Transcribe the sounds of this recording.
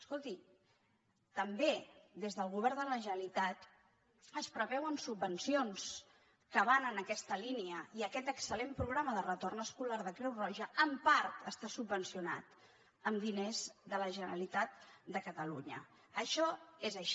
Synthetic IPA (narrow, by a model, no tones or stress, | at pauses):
əskolˠt̪i | t̪əmbed̪ezðəlˠɣuβ̞ɛɾnd̪ələʒənəlit̪at̪ | əspɾəβɛwənsubːənsions | kəβanənəkɛst̪əliniəiəkɛt̪əksəlempɾuɣɾaməðərət̪ornəskulaɾðəkɾɛwrɔʒəəmpaɾt̪əst̪asubːənsiuna̰t̪ | əmd̪inezðələʒənəɾəlit̪at̪̚d̪əkət̪əluɲə̰ | əʃɔezəʃ